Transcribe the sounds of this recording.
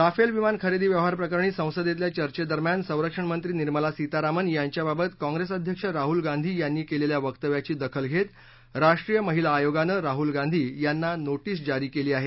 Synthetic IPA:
ɾafelʋimankʰəɾid̪iːʋjəʋɦaɾpɾəkaɾɳ̃iːsə̃w̃səd̪jet̪ljat͡ɕəɾt͡ɕed̪əɾmjansə̃w̃ɾəkʂəɳmənt̪ɾiːniɾməlasit̪aɾamənjaɲt͡ɕjababət̪kɔ̃ŋɡɾesəd̪ʱjəkʂəɾaɦulɡãnd̪ʱiːjanːiːkeleljaʋəkt̪əʋjat͡ɕiːd̪əkʰəlɡʱet̪ | ɾaʂʈɾiːjəməɦilaːjoɡanəɾaɦulɡãnd̪ʱiːjanːanoʈiːsd͡ʑaɾiːkeliːaɦe

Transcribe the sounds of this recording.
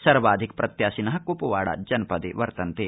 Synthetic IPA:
sɐɾʋaːd̪ʱik̚pɾɐt̪jaːsinɐɦɐkupuʋaːɽa̰d͡ʒɐnpɐd̪iʋɐɾt̪ɐnt̪i

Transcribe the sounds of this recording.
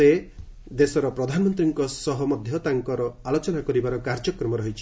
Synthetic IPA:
e | d̪esɔɾɔpɾɔd̪ʱanɔmɔnt̪ɾiŋkɔsɔɦɔmɔd̪ʱjɔt̪aŋkɔɾɔalot͡ʃɔnakɔɾibaɾɔkaɾd͡ʒɔkɾɔmɔɾɔɦit͡ʃʰi̥

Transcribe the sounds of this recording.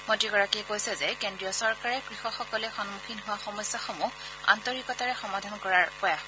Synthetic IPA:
motiɡɔɹakiɛkojsɛzɛkendɹiɔsɔɹkaɹɛkɹixɔxɔkɔlɛxɔnmukʰinɦʊwaxɔmɔjsjaxomu | a̰ntɔɹikɔtaɹɛxɔmadʱankɔɹaɹpɔja

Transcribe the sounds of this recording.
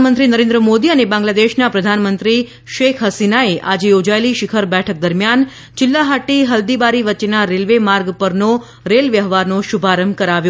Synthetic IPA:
mənt̪ɾinəɾẽnd̪ɾəmod̪iənebãŋɡlad̪eʃnapɾəd̪ʱanmənt̪ɾi | ʃekʰɦəsinaeʔad͡ʒejod͡ʒaeliʃɪkʰəɾbɛʈʰək̚d̪əɾmjan | t͡ʃɪlːaɦaʈːiɦəld̪ibaɾiʋətːʃenaɾelʋemaɾɡpəɾno | ɾelʋjəɦʋaɾnoʃubʱaɾəmbkəɾaʋjo

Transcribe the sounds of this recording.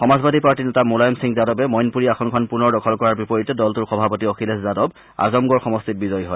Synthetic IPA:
xɔmazbad̪ʱipaɹtinɛtamolajɔmsiŋzadɔbɛmɔjnpuɹiɛkʰɔnkʰɔnpunɔɹdɔkʰɔlkɔɹaɹbipɔɹitɛdɔltuɹxɔbʱapɔtiɔkʰilɛszadɔb | a̰zɔmɡɔɹxɔmɔstit̚bizɔjɦɔj

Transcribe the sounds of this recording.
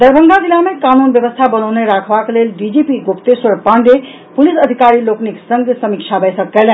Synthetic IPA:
d̪əɾbʱəŋɡ̪ʱad͡ʒilamekanunbjəbəst̪ʰabənəʊneɾakʰbaklelɖid͡ʒepiɡopt̪eswəɾpaɳɖe | pulisəd̪ʱikaɾilokniksəŋɡesəmikt͡ʃʰabʱəjsəkːɛlɛn

